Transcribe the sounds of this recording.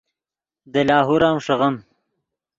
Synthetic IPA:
d̪əlɑːɦuɾɑːmʂɐʁɐm

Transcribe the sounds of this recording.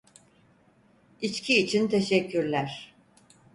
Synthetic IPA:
it͡ʃcʰiːt͡ʃʰint̪ʰeʃɛcʰːyɾlʲæɾ̥

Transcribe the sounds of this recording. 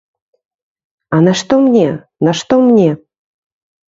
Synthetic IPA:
anɐʃt̪omnʲe | nɐʃt̪omnʲe

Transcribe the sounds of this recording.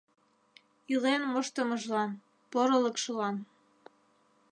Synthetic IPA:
ilenmoʃt̪ə̆mɤ̆ʒlɑn | poɾɤ̆lə̆kʃɤ̆lɑn

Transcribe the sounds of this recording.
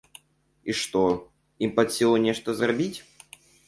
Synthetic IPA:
iʂt̪o | impɐt̪sʲilˠʊnʲeʂt̪əzrɐbʲitʲ

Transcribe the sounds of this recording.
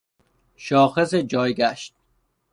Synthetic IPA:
ʃɒːxesed͡ʒɒːjɡæʃt̪̚

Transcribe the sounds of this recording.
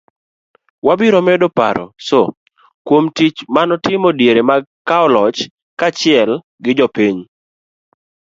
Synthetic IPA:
wabɪɾɔmɛdɔpa̰ɾɔ̰so | kwomtit͡ʃmanɔtɪmɔdjeɾemaɡkːaɔlɔt͡ʃ | kat͡ʃɪɛl | ɡɪd͡ʒɔpiɲ

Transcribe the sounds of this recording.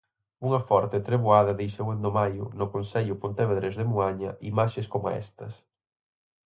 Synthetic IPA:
uŋɐfɔɾt̪ɪt̪ɾeβoaðɐðejsewend̪omajʊ̰nʊkonsɛʎʊpont̪eβeðɾezðemuaɲɐʔimaʃeskoma̰ɛ̰st̪ɐs

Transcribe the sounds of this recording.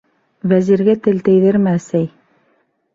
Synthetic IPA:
væziɾɡæt̪ɘlt̪ɘ̆jðɘɾmɘæsæj

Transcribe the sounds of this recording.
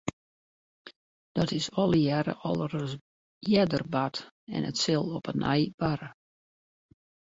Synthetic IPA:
d̥ɔtɪsɔlˠəjɛɾə̰ʔɔlˠərə | jɛdərbat | ɛ̰nə̰tsɪlˠɔpənʔɛ̰jb̥aɾə

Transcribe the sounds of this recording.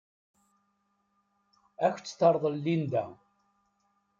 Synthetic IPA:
æçt͡sːθəɾˤðˤəlːind̪æ̰

